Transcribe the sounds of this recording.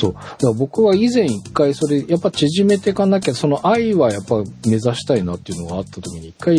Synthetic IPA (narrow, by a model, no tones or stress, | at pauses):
so̞ːd̪̥akbo̞kɯ̟βaizẽ̞ɰ̃ikːaiso̞ɾe̞japːat͡ɕiʑime̞t̪e̞kãnaked̪oso̞no̞ʔaiβajapːaime̞zaɕi̥t̪ainat̪ːe̞iɯ̟no̞ɡaːt̪ːat̪o̞kʲiɲ̟iːkːai